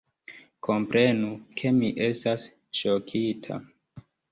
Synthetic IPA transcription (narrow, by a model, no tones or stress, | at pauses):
kʰo̞mpɾʔe̞nukʰe̞miʔe̞stas | ʃokʰitʰa̰